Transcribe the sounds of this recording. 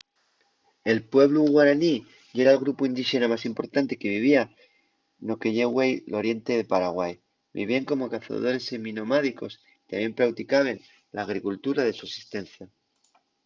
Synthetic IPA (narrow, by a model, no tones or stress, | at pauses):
e̞lpwe̞βluɣwaɾani | ʝe̞ɾalɣɾupuind̪iʃe̞namasimpo̞ɾt̪ant̪eke̞β̞iβ̞ia | no̞kejeɣwe̞jlo̞ɾje̞nt̪e̞ðe̞paɾaɣwaj | bḭβiaŋko̞mo̞kaθa̰ðo̞ɾe̞semĩno̞maðiko̞s | it̪amje̞mpɾawt̪ikaβ̞e̞n | laːɣ̞ɾikult̪uɾaðe̞suesi̥st̪e̞nθja